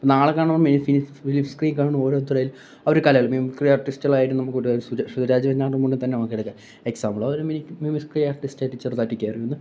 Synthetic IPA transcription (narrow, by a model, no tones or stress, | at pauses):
ponaːɐɭkːaːɳmːminifinifilifskriːnkaːɳɳuo̞ːɾo̞ːt̪ːirɐjil | ɐʋoɾukɐlɐjɐɭmimikrijarʈːistɣɐɭaːjiʈːɨnɐmːukːuʈːuɐsusud̪ɐɾaːd͡ʑiʋɐɲːaːʈːumuɳɖit̪ɐnːenɐmːɐkːiɽɐkːɐ | eksaːmbɭɐoɾuminimimiskriarʈːistaːjʈːɨt͡ɕːert̪aːtːikʲːaːjɐrijunːɐ